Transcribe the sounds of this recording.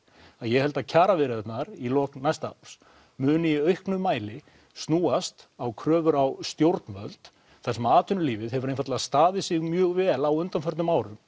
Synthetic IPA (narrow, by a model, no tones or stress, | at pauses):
aðjɛhɛlt̪acʰaːɾavɪɾɪðɛt̪naɾilɔːknajst̪aa̰ws | mʏːnɪiœɥhknʏmːaːjlɪ | st̪nuːast̪awkʰɾœːvʏɾawst̪jowɾt̪nvœ̰lt̪ | θansɛmaːt̪ʰʏnʏliːvɪðɦɛvʏɾejnfaɾt̪laðst̪aːðɪsɪɣmjœːɣvɛːlawʏnt̪anfœɾt̪ʏmaːwɾʏm